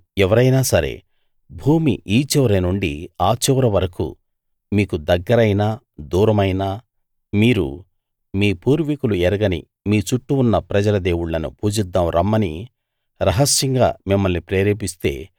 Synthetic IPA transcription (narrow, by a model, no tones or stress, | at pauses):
ɛʋɐɾɐjnaːsɐɾḛː | bʱuːmiʔiːt͡ʃɛʋɾɐnuɳɖḭaːt͡ʃɛʋɾɐʋɐɾɐkṵ | miːkud̪ɐɡːɐɾɐjnaː | d̪uːɾɐmɐjnaː | miːɾṵ | miːpuːɾʋikuluɛɾɐɡɐnḭ | miːt͡ʃuʈːuːnːɐpɾɐd͡ʒɐlɐd̪eːwuɽːɐnṵpuːd͡ʒid̪ːaːmɾɐmːɐnḭ | ɾɐɦɐsjɐŋɡa̰ːmimːɐlnipɾeːɾeːpist̪e̞̰ː